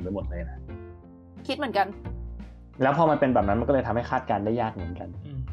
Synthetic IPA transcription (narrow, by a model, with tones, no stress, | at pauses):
ləː˧jmo˨˩t̪̚lɤː˧jna˦˥ | kʰi˦˥t̪̚mɯ˩˦nka˧n | lɛː˦˥wpʰɔː˧ma˧npe˧nbɛː˨˩p̚na˦˥nma˧kːɤː˧jt̪ʰa˧mha˥˩kʰaː˥˩t̪̚kaː˧ndaː˥˩jːaː˥˩k̚mɯ˩˦nka˧n